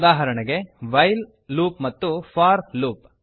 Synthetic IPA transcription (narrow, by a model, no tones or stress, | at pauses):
d̪aːɦɐɾɐɳɐɡe̞ʋɐjl | luːpmɐt̪ːupʰaːɾluːp̚